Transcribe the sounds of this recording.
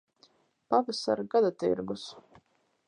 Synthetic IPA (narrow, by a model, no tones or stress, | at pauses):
pavɛsa̰ɾɡad̪at̪ḭɾɡus